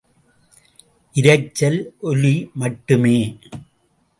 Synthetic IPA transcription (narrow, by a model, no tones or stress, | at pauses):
ʔɪɾɐɪt͡ʃːɐlʔɔlimɐʈːɯmeː